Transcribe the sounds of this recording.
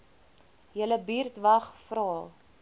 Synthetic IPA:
jələbiːrtvɐχfrɑː

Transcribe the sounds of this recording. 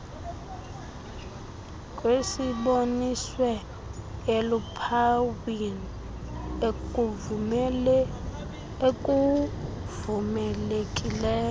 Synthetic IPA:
kʼwesiɓoniswɛ | elupʰawini | ekʼu | vumɛlekʼilɛːɔ

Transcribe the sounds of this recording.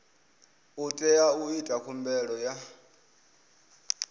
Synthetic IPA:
utʼɛjauitʼakʰumbɛɺɔja

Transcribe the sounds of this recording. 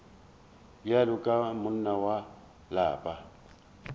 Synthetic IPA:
jalʊkʼamʊn̩nawa | la̰ːpʼa

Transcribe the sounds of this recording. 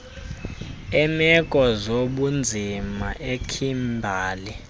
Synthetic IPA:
ɛmɛkʼɔzoɓund͡zʱimaʔekʰimbʱaːli

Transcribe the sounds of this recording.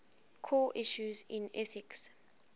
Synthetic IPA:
kʰɔʔiʃuzĩnɛθɪks

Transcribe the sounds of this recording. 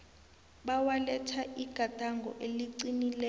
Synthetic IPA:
ɓawalɛtʰaiɡ̥ʱad̥ʱaŋɡʱɔ̰ʔeliǀinilɛ

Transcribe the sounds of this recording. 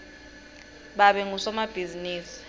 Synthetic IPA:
ɓaɓɛŋusɔmab̥ʱiziniːsi̥

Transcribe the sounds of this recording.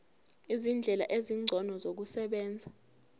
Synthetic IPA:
izind͡ɮʱɛla̰ʔeziŋ͡ǀʱɔnɔzok̬usɛɓɛːnd͡zʱa

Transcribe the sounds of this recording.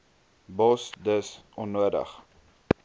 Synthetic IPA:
bɔsdəsɔnːuədə̰χ

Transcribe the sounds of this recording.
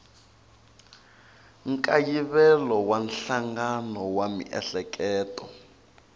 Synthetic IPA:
ŋ̩kʼajiβɛlɔwanɬaŋɡanɔwamḭʔɛ̰ɬɛkʰʼɛːtɔ

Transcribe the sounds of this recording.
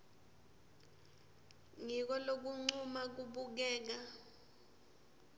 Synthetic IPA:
ŋik̬ɔlok̬uŋ͡ǀumak̬uɓuk̬ɛːk̬a

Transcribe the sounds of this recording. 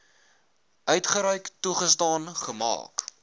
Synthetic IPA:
ʔœɥtχəɾœɥktuχəstɑːnχəmɑ̰ːk

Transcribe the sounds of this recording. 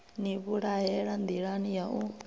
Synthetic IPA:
niβuɺajɛɺand̪iɺanijaʔu

